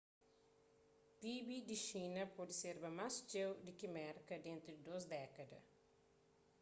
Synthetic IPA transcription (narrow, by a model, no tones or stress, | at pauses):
pibid̪iʃinɐpɔd̪iseɾbɐmast͡ʃewd̪ikimɛɾkɐd̪ẽnt̪ɾud̪id̪osd̪ɛkɐd̪ɐ̰